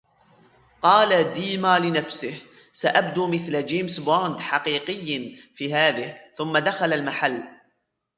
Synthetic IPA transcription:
qɑːlad̪iːmaːlɪnafsɪh | saʔabd̪uːmɪθlad͡ʒeːmsboɾnd̪ħɑqiːqɨjːfiːɦaːðɪhθʊmːad̪axalalmaħalː

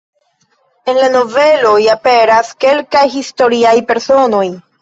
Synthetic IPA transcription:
e̞nlano̞ve̞lo̞jape̞ɾaske̞lkajɦisto̞ɾiajpe̞ɾso̞no̞j

